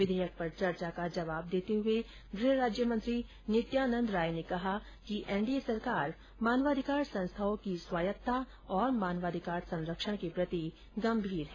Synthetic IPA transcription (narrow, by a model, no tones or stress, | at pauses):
ʋɪd̪ʱɛːjək̚pɐɾt͡ʃɐɾt͡ʃakad͡ʒɐʋaːb̚d̪eːt̪eɦʊe | ɡɾɪɦɾaːd͡ʒjəmə̃nt̪ɾi | nɪt̪jaːnə̃nd̪ɾaːjnekɐɦa | kiʔɛ̃ːɳɖiesɐɾkaːɾ | maːnʋaːd̪ʱɪkaːɾsɐ̃nst̪ʰaõkiswaːjət̪ːa | ɔːɾmaːnʋaːd̪ʱɪkaːɾsɐ̃nɾəkʃəɽ̃kepɾɐt̪i | ɡɐ̃mbʱiːɾɦɛ̃ː